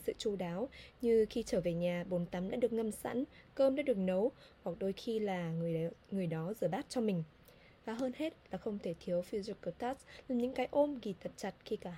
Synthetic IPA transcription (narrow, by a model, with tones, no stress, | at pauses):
sɨ̰˧˨t͡ɕu˧ɗaː˨˦wɲɨ˧xi˧t͡ɕəː˧˩ve˨˩ɲaː˨˩ɓo˨˦nt̪a˨˦mɗa̰ː˧˥ɗɨ˨˩ək̚ŋə˧msa̰˧˥nkəː˧mɗa̰ː˧˥ɗɨ˨˩ək̚nə˨˦w | hwa˨˩k̚ɗo˧jxi˧laː˨˩˨ŋɨ˨˩əjɗɔ˨˦zɨː˧˩ɓaː˦˥t̚t͡ɕɔ˧mï˨˩ŋ̟ | vaː˨˩ɦəː˧nhe˦˥t̚laː˨˩xə˧wŋ͡mt̪ʰe˧˩t̪ʰi˨˦əwfi˧zu˨˩kəː˧˩t̪aː˦˥slaː˨˩mɲɨ̰˧˥ŋkaː˨˦jʔo˧mɣi˨˩t̪ʰə˨˩t̚t͡ɕa˨˩t̚xi˧kaː˧˩